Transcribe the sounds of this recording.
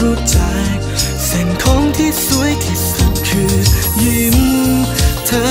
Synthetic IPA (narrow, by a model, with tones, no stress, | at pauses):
ɾuː˦˥t͡ɕa˧j | sɛ˨˩ŋk̪ʰo˧˥ŋt̪ʰiː˥˩su˨˦˥əjk̪ʰi˨˩t̚ka˨˧˩nkʰɯː˧ji˧˩m | t̪ʰɤː˧˥